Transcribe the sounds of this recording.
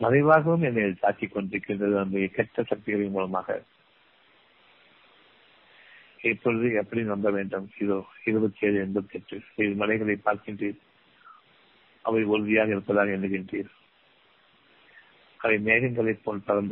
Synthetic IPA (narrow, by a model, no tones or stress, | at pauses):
mɐðɐɪʋaːɣɐʋɯmɛnːeːlsaːt͡ʃːikːɔɳɖɪɾɯkːɪndrɐðɯɐnbɐjɐkɛʈːɐsɐk̚t̪ɪɣɐɭɪmuːlɐmaːɣɐ̰ | ɪpːɔɾɯðɯɛpːɐɽinɐmbɐʋeːɳɖɯmɪðoːɪɾɯbɐt͡ʃːeːðɯɛnbɐðɛʈːɯsɪɾmɐlɐɪɣɐɭɐɪpːaːɾkɪɳdriːɾ | ɐʋɐɪɔɾɯðɪjaːɣɐɪɾɯpːɐðaːɣɐɛnɖɯkɪɳdriːɾ | ɐʋɐɪmeːɣɪŋɡɐɭɐɪpːoːlpɐɾɐnd̪